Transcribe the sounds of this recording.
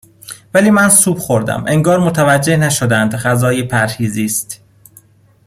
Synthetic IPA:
væliːmænsuːbxo̞ɾd̪æ̰mʔeŋɡɒːɾmot̪ʰævæd͡ʒːe̞hnæʃod̪ænd̪ɢæzɒːjepʰæɾhiːziːst̪

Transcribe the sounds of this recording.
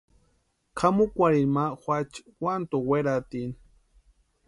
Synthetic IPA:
kʰamukʷaɾiɾmaxʷat͡ʃwʷant̪oweɾat̪in

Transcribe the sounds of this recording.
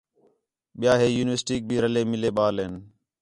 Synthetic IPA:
ɓɪjaːɦeːjuːnʋəɾsʈiːk̚bʱiːɾəleːmɪleːɓaːlɦeːn

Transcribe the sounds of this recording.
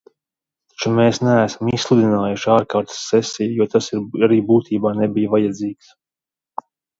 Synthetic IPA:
t̪ḁt͡ʃumeːsnææːsamisslˠud̪inaːjuʃaːɾkaːɾt̪sːɛsijjuɔt̪asiɾaɾiːbuːt̪ʰiːbaːnebijvajad̪ziːks

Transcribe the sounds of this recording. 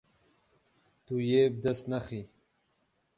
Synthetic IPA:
t̪ujeːb̚d̪ɐsnaxi

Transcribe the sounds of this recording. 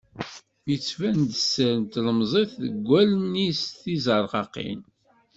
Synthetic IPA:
jət͡sːvænd̪əsːəɾənt̪ləmzˤiθðəɡʷːælnisθizəɾˤʁɑqḭn

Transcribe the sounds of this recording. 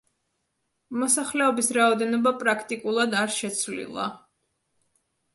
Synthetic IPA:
mɔsaχlɛɔbisɾaɔd̪ɛnɔbapʼɾakʰt̪ʼikʼulˠad̪aɾʃɛt̪sʰvlḭlˠa̰

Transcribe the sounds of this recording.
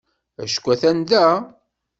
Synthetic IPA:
æ̰ʃkʷːæθænd̪æ

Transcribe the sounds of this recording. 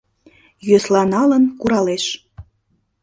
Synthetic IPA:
jøslɑnɑlənkuɾɑleʃ

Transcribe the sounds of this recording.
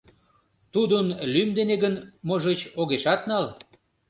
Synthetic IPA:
t̪ud̪ənlymd̪eneɡənmoʒet͡ɕoɣeʃɑt̪nɑl

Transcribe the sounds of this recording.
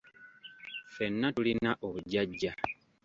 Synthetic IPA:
fenːatulinaʔoβuɟaɟːa

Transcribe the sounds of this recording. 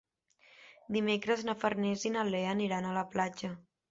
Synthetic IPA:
d̪imekɾəznəfərnezinəleəniɾanələplad͡ʒə

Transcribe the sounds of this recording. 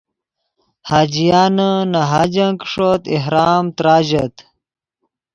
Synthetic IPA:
haːd͡ʑijaːnənaɦaːd͡ʑɐŋkʂot̪iɦɾaːmt̪ɾaːʑɐt̪

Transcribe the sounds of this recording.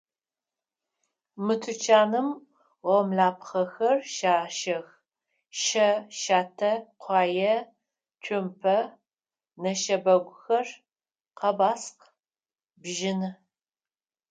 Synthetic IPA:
mɨtʰɨt͡ʃʰaːnɨm | ʁɔmɮaːpχɐxɐrʃaːʃɐx | ʃɐʃaːtʰɐqʷʰɑːjɐ | tʷʰʊmpʰɐ | nɐʃɐbɐɡʷʊxɐr | qɐbaːsq | bʒɪnɨ

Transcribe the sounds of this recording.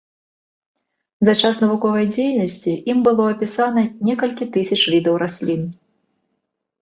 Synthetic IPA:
zat͡ʂasnɐvukɔvɐjd͡zʲejnɐsʲt͡sʲiʔimbɨlˠɔɐpʲisanɐnʲɛkɐlʲkʲit̪ɨsʲɐt͡ʂvʲid̪ɐwɾasʲlʲin

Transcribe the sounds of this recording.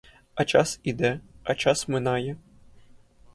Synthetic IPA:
ɐt͡ʃasid̪ɛɐt͡ʃasmɨnajɛ

